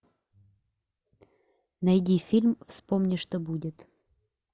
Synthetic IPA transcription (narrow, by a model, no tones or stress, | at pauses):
nɐjdʲifʲilʲmfspomnʲɪʂt̪obudʲɪt̪